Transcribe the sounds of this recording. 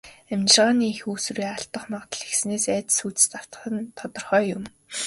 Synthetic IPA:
æmt͡ɕ̪ɪrʁaːniːxuːsuɾiːaɬt̪ə̆χmɔʁt̪ə̆ɮexsneːsæːt͡s̪suːt͡s̆st̪aw̥t̪̆χə̆nt̪ʰɔt̪ɞ̆rχœːjʊm

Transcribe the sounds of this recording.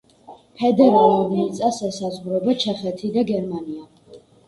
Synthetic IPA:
pʰɛd̪ɛɾalˠɔniit̪sʼasɛsazʁɾɔbat͡ʃʰɛχɛt̪ʰid̪aɡɛɾmania

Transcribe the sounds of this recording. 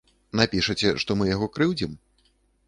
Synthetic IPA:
napʲiʂɐt͡sʲɛʂt̪ɔmɨjaɣɔkɾɨwd͡zʲim

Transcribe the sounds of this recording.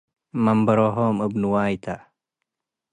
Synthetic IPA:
mɐmbɐɾoɦoːmɨbnuwaːjt̪ʰa

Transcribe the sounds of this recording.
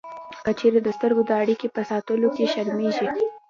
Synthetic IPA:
kət͡ʃeɾed̪əst̪əɾɡod̪əaɽikepəsɑt̪əlokeʃaɾmeʒi

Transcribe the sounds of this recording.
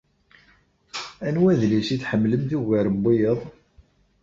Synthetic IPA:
ænwæðlisiθħəmːləmθiɣæɾəbːijəðˤ

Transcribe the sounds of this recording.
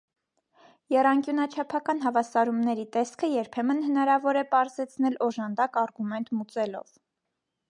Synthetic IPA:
jɛrɑŋkjunɑt͡ʃʰɑpʰɑkɑnɦɑvɑsɑɾumnɛɾit̪ɛskʰəjɛɾpʰɛmənhənɑɾɑvɔɾɛpɑɾzɛt͡sʰnɛlɔʒɑnd̪ɑkɑɾɡumɛnt̪mut͡sɛlɔ̰v

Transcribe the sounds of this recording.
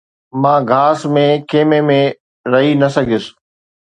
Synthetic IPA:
mãːɡʱaːsmẽkeːmemẽ | ɾɐɦinɐsɐɡʱɪs

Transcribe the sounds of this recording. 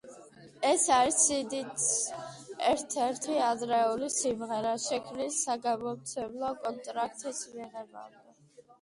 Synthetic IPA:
ɛsaɾisid̪it̪ | ɛɾt̪ʰɛɾt̪ʰiad̪ɾɛulisimʁɛɾaʃɛkʰnisːaɡamɔmt̪sʰɛblˠɔkʼɔnt̪ʼɾak̚ʰt̪ʼismiʁɛba̰nd̪ɛ

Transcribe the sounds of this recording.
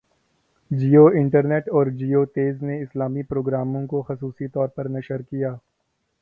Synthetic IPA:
d͡ʒiːoːɪ̃ɳʈəɾneːʈɔːɾd͡ʒiːoːt̪eːzneɪslaːmipɾoːɡɾaːmõkoxɐsuːsit̪ɔːɾpɐɾnɐʃəɾkijaː

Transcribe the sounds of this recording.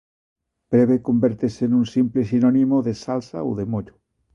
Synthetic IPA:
b̥ɾeβekombeɾt̪esenunsimplesinonimoðesalsa̰o̰ðemoʎo

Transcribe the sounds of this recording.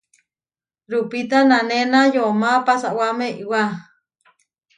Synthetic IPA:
ɾupit̪ananenajomapasaʔwamẽiwa

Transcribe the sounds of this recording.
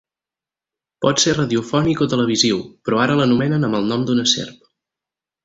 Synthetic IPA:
pɔt̪serəðiufɔnikɔt̪ələβ̞iziwpɾɔaɾələnumɛnənəməlˠnɔmd̪unəsḛrp̚

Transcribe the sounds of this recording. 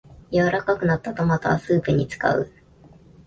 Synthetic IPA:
jaβaɾakakɯ̟nat̪ːat̪omat̪aa̰sɨːpɯ̟ɲ̟it͡sɨ̥ka̰ɯ̟̰

